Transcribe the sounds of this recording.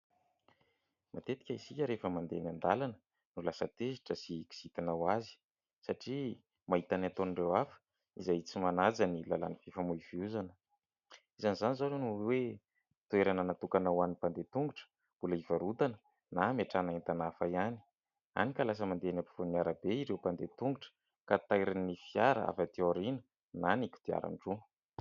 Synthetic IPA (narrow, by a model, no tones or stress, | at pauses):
mat̪et̪i̥kʲaizikʲəɾefəmand̪eaŋand̪alanə | nulasət̪eziʈ͡ʂəsiki̥z̥it̪anawazi̥ | saʈ͡ʂi | maɦit̪anat̪oniɳɖ͡ʐewafə̥ | izajit͡simanad͡zanilala̰nivifamuiviuzanə | izanizanizanonuwe | t̪ueɾanənat̪ukanawanipand̪et̪uŋɡuʈ͡ʂə̥ | mb̥uləivaɾud̪anə | nameʈ͡ʂanaent̪anafajani̥ | a̰nikalas̬əmand̪eanapi̥funiaɾabeiɾewpand̪et̪uŋɡuʈ͡ʂə̥ | kat̪ajɾanifiaɾə̰a̰fat̪ioɾinə | nanikʲu̥d̪̥ia̰ɾa̰nʈ͡ʂu